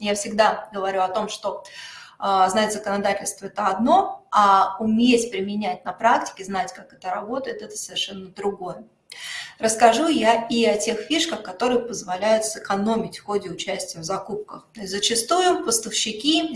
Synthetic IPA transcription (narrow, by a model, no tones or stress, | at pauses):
jafsʲɪɡd̪aɡəvɐɾʲuɐt̪o̞mʂt̪o̞ | znatʲzəkənɐd̪atʲɪlʲst̪vəɛt̪əɐd̪no̞aʊmʲesʲpɾʲɪmʲɪnʲætʲnɐpɾaktʲɪ̥kʲɪznatʲkakɛ̥t̪əɾɐbo̞t̪əjɪt̪ɛt̪ə̥səvʲɪrʂɛnːəd̪ɾʊɡo̞jə | ɾəskɐʐujaiɐtʲe̞xfʲiʂkəxkɐt̪o̞ɾɨjɪpəzvɐlʲæjʊt̪sɨkɐno̞mʲɪtʲfxo̞dʲɪʊt͡ɕæsʲtʲɪjəvzɐkup̚kəxt̪otʲzət͡ɕɪst̪ujʊpəst̪əfɕːɪkʲi